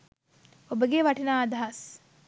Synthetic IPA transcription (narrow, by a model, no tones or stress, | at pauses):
obəɡeʋɐʈinaːɐd̪ɐɦɐs